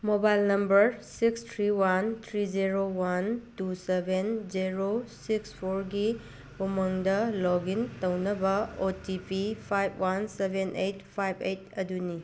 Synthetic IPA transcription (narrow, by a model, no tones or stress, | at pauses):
mobajlnɐmbɐɾsikstʰɾiwant̪ʰɾid͡ʒiɾowantusebʱend͡ʒiɾosikspʰoɾɡi | umɐŋdɐlɔɡintɐwnɐbɐotipipʰajb̚ʰwansebʱenʔejt̚pʰajbʰejt̚ɐduni